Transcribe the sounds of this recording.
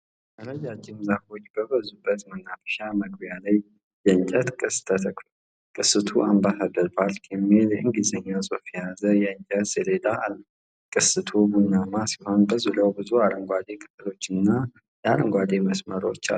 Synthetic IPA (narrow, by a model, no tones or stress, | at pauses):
t̪əɾəd͡ʒad͡ʒɪmzafo̞t͡ʃːbəβəzubːət̪mənafə̥ʃaməɡbjalaj | jɛɨɲt͡ʃʼət̪kʼɨst̪ʰət̪ʰəklo | kʼɨsɨt̪ʰuʔambasad̪əɾbalkʰɛmːiljɛʔɨŋɡizəɲːasʼufjɛjazəjɛɨɲt͡ʃʼət̪siled̪aʔalːə | kʼɨsɨt̪ʰubunamasiho̞nbəzuləwbɨzuaɾəŋɡʷad̪e̞kʰʼɨ̥t̪ɨlo̞t͡ʃːɨnːa | jɛaɾəŋɡʷad̪eməsməɾot͡ʃːa̰lː